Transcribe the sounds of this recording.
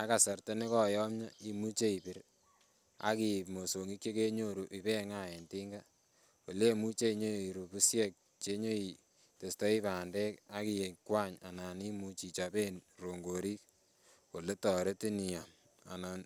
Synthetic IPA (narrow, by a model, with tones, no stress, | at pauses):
a˦ka˨sa˨rte˦nɪ˦kɔ˦jɔ˦mɲa˦i˦mu˦t͡ʃe˦i˨pɪ˦ɾ | a̰˦ki˨pmo˨so˨ŋi˦kje˦ke˦ɲo˦ɾu˨ʔi˨pɛ˦ŋa˦e˨nti˦ŋɡa˦ | wo̰˨le˦mu˦t͡ʃe˦i˨ɲo˦˨i˨ɾu˨pu˦sjɛ˦k̚ | t͡ʃe˦ɲo˦i˨ | te˨stɔ˦i˦paː˨ndɛ˦ka˦ki˨je˨kwa˦ɲa̰˨na˨ni˦mu˦t͡ʃi˨t͡ʃa˨be˦nro˨ŋɡo˨ɾi˦k̚ | o˨le˦tɔː˨ɾe˦ti˦ni˨ja˨m | a˨na˨n